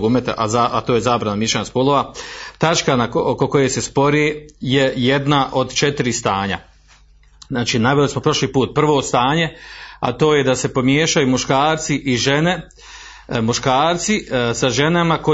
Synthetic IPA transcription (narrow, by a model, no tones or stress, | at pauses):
ɡumet̪aʔazaʔat̪oːjezaːbɾanamjiʃaɲaspolˠoʋat̪at͡ʃkanaoko̞ko̞je̞se̞spo̞ɾeːje̞je̞d̪naʔo̞d̪t͡ʃe̞t̪iɾist̪aːɲa̰ | naːt͡ʃiːnaʋelismo̞pɾo̞ʃliːpuːt̪̚pr̩ʋo̞ːst̪aːɲe̞a̰t̪o̞ːje̞d̪ase̞po̞mjeːʃajumuʃkaːɾt̪siʔiʒene̞ | muʃkaːɾt̪sisaʒe̞namako̞